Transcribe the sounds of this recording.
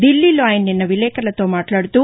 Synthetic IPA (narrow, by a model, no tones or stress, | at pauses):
d̪ilːilaːjɐnːinːɐʋilɛːkɐɐlɐt̪o̞ːmaːʈlaːɽt̪u